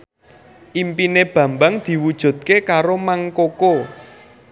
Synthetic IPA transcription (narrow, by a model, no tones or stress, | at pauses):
ʔimpineb̥ä̤mbaŋd̪̥i̤wud̥ʒ̥ṳd̪̚kekaɾomaŋkoko